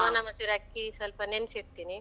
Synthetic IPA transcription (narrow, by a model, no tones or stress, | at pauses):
anɐmɐsuɾakːisɐlpɐnensiɾt̪ini